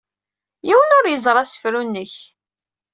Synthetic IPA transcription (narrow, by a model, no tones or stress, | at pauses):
jiwənʊɾjəzˤɾˤɑsə̥fɾunːəç